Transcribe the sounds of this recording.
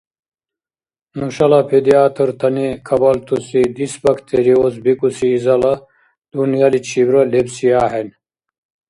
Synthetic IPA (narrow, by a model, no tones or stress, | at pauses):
nuɕɐlapʰed̪iaːt̪ʰəɾt̪ʰɐnikʰɐbɐlt̪ʰusid̪isbɐkʰt̪ʰeɾiosbikusiːzɐlɐ | d̪̥unjalit͡ɕʰibɾɐlebsiaːɦen